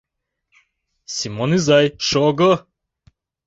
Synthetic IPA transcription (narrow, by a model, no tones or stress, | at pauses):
simonizajʃɔɡə